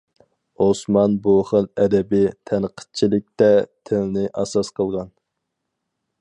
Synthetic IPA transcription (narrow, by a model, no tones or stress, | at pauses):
osmɑnboχəlɛd̪ɛbɪt̪ʰɛnqʰə̥t̪̚t͡ʃʰilɪk̚ʲt̪ɛt̪ʰɪlnɪʔɑsɑsqʰəlˠʁɑn